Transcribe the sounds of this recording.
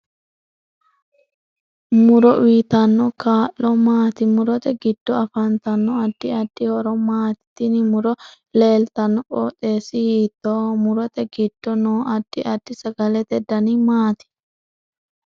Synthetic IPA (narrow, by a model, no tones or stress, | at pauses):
mʊɾɔʔijt̪ɐnːɔkaːʔːɔmaːt̪ɪmʊɾɔt̪ɛɡɪd̪̥ːɔɐfɐnt̪ɐnːɔɐd̪̥ːɪɐd̪̥ːɪhɔɾɔmaːt̪ɪ̥t̪inɪmʊɾɔ | leːlt̪ɐnːɔʔʼo̰ːt̪eːsɪhiːt̪ːoːmʊɾɔt̪ɛɡɪd̪̥ːɔnoːʔɐd̪̥ːɪʔɐd̪̥ːɪsɐɡɐlɛt̪ɛd̪ɐnimaːt̪ɪ̥